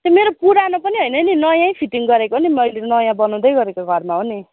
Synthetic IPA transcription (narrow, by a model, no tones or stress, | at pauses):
t̪omeɾopuɾanopʌniɦʌjnʌninʌjãĩpʰiʈiŋɡʌɾekonimʌjlenʌjãbʌnʌ̃w̃d̪ʌjɡʌɾekoɡʱʌrmaɦoni